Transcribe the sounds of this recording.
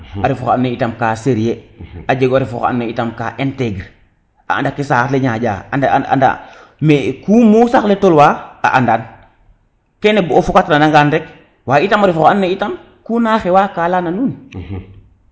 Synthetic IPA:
aɾifɔxanːeitamkaːseɾijead͡ʒeɡaɾifɔ̰xa̰nːeitamka̰ːʔɛnteɡɾ | ʔa̰a̰ndakisatleɲaːd͡ʒa̰ːaaa̰nda̰ | mekuːmuːsaxletolwaːa̰ʔandan | kɛnɛbuofukatnanaŋɡanɾɛk̚ | waːitamaɾifɔxanːeitam | kunaːxewakaːlananuːn

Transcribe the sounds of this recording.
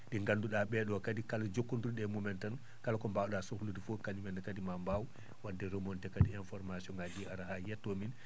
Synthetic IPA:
ɗiŋɡanduɗaɓɛɗɔkadikalad͡ʒokːunduiɗɛmumɛntan | kalakɔmbawɗasukludifokaɲumɛnɛkadimambaw | wadːɛɾomɔntɛkadiɛnfɔɾmasiɔŋɡad͡ʒiaɾaɦajɛtːɔmin

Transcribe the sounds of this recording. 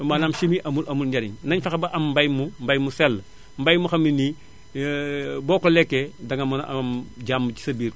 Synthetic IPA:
manamʃimiʔɐmulʔɐmulɟɐɾiɲnɐɲfɐxɐbɐʔamːbajmumbajmusɛlː | mbajmuxɐmini | bɔːkolɛkːedɐŋɐmuna̰mɟaːmːuci̥sɐbiːɾ

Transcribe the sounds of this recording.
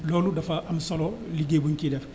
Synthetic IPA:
lɔːludɐfɐʔɐmsɔlɔliɡeːbuŋkidɛf

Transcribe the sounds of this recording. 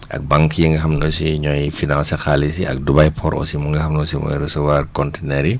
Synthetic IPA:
ʔɐ̰k̚baŋkjiŋɡɐhamnɔsiɲɔjfinansɛxalisiɐ̰k̚dubajpʰɔɾʔɔ̰simuŋɡɐhɐmnɔsimɔ̰ɾɛsowaɾkɔntenɛɾi

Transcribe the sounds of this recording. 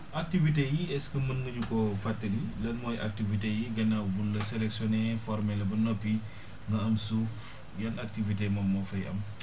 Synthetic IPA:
ʔak̚tivitejiɛskəmɐnɡəɲukɔfatːɐlilɐlmɔːjʔa̰k̚tivitejiɡɐnːawbunlɐsɛlɛksjɔnɛfɔɾmɛlɐbɐnɔpːi | ŋɡɐɐmsuf | jɐnak̚tivitemɐmːɔfɐjɐ̰m

